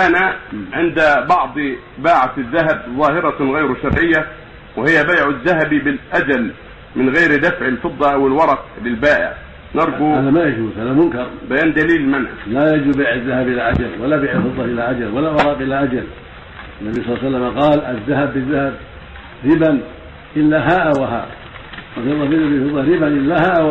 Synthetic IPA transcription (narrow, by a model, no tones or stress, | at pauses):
ʔanaʕɪnd̪bɑʕd̪ˤ | baːʕat̪ðːaɦabzˤɑːhɪɾˤɑɣajɾʃɑɾˤʕɪjːa | wɪhɪjːabajʕʊðːaɦabibɪlʔad͡ʒal | mɪnɣajɾd̪afʕɪlfɨd̪ˤːɑʔawɪlwɑɾˤɑklɪlbaːʔɪ̰ʕ | nɑɾˤɡuhanamajad͡ʒuːzhaðamʊnkɑɾˤbajaːnd̪aliːlmanha̰lajad͡ʒubaːʕɪðːahabʔɪlaʔad͡ʒalwalːabaːʕɪlfɨd̪ˤːɑʔɪlaʔad͡ʒalwalːawɑɾˤɑːqʔɪlaʔad͡ʒal | anːabijsˤɑːsalːamaqɑːlʔaðːahabːɪðːahab | ɾɪban | ʔɪlːaɦaːʔawaɦa̰ːʔ | maɑlˤːɑbɪlːabɪfɨd̪ˤːɑɾɪbanʔɪlːahaːʔ